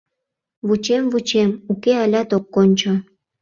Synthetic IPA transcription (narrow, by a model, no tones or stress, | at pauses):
βut͡ɕemvut͡ɕemukealʲɑt̪okːonʲt͡ɕo